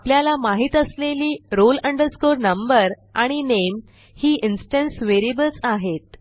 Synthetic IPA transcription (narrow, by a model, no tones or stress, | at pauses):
pljalamaɦit̪əsleliːɾoləɳɖəɾskoɾnəmbəɾ | aɽ̃inem | hiːʔinsʈə̃nsʋeɾibəlt͡saɦet̪